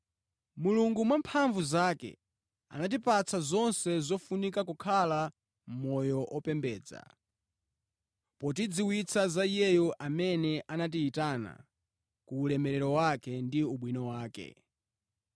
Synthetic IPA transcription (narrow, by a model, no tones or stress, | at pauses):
muluŋɡumwampʰaɱvuzaːkɛ̰ | a̰nat̬ipat͡sʰazɔnsɛzɔfunikakukʰala | m̩mɔjɔʔɔpɛmbɛːd͡za̰ | pɔt̬id͡ziwit͡sʰazaijɛjɔʔamɛnɛʔanat̬iːtana̰ | kuːlɛmɛɾɛɾɔwakɛndiuɓwinɔwaːkɛ̰